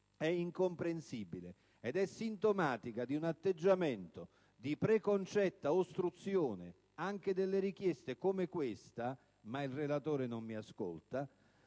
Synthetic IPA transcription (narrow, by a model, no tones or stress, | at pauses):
ɛiŋkompɾensibile | ɛd̪ɛsːint̪omaːt̪ikad̪iunat̪ːed͡ʒːamɛnt̪o | d̪ipɾekont͡ʃɛt̪ːaost̪ɾut̪sːjoːnɪ̰ | aŋk̟ed̪elːeɾik̟jɛst̪ekomekwɪst̪a | mailrelat̪oːɾenomːiasko̰lt̪a